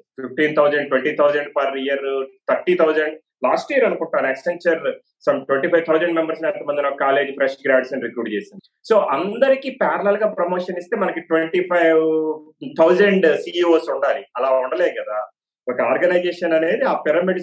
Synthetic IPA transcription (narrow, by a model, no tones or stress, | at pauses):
pipʈiːnt̪ʰɐwd͡ʒɐɳɖʈweɳʈiːt̪ʰɐwd͡ʒɐɳɖpɐɾijɐɾt̪ʰɐɾʈiːt̪ʰɐwd͡ʒɐɳɖ | laːsʈijɐɾɐnukuɳʈːaːneksɐɲt͡ʃɐɾ | sɐmʈweɳʈiːpʰɐjʋt̪ʰɐwd͡ʒɐɳɖmembɐɾsloːɛnt̪ɐmɐnd̪inɔkɐkaːle̞ːd͡ʒpʰɾesʈɡɾaːɖsɐnɾikɾuːɖt͡ʃeːsind̪iiso̞ːʔɐnd̪ɐɾikipaːɾɐlɐlɡaːpɾɐmoːʂɐnist̪e̞ːmɐnɐkiʈʋeɳʈipʰɐjʋ | t̪ʰɐwd͡ʒɐɳɖsiːioːsuɳɖaːliɐlaːuɳɖɐlɛːɡɐd̪aː | ɔkɐaːɾɡɐnɐjd͡ʒɛːʂɐnɐne̞ːd̪iaːpɛɾɐmiɖs